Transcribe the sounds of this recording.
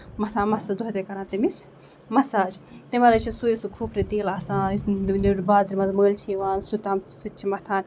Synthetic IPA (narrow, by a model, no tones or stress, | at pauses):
mɐt̪ʰãːnmɐsad̪uɦɐt̪ekɐɾãːt̪imis | mɐsaːd͡ʒt̪imɐlɐt͡ʃʰisujisukʰuːpʰɾit̪eːlasãːliɾbaːzɾʲimɐzməːlt͡ʃʰiːʋaːnsut̪ɐmsut͡ʃʰimɐt̪ʰaːn